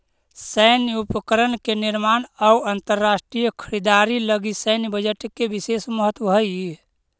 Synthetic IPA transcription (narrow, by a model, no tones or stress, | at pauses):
səɪniupəkəɾənkeniɾmanauənt̪əɾːasʈɾijəkʰəɾid̪aɾiləɡisənibəd͡ʒəʈkebisesməɦət̪ʋəɦəji